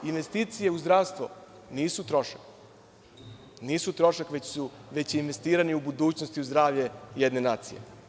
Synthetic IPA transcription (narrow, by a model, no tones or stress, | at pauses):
inʋe̞st̪iːt̪sije̞uzd̪ɾaːʋst̪ʋo̰ | niːsut̪ɾo̞ʃḁk | niːsut̪ɾo̞ʃakʋet͡ɕsuʋet͡ɕinʋe̞st̪iːɾaniubud̪uːt͡ɕnost̪iuzd̪ɾaːʋʎejed̪ne̞naːt̪sḭjḛ